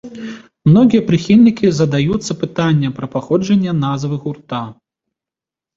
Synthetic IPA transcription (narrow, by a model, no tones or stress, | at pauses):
mnɔɣʲijɐpɾɨxʲilʲnʲikʲizɐd̪ajut̪sːɐpɨt̪anʲːɐpɾɐpaxɔd͡ʐɐnʲːɐnazvɨɣurt̪a